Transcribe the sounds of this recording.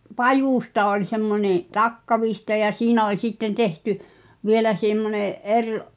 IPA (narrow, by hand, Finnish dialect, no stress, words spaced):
pɑjustɑ olʲ semːonʲẽː tɑkːɑʋihtɑ jɑ siːnæ olʲ sitːen tehty ʋielæ semːoneʔ ʔerʔ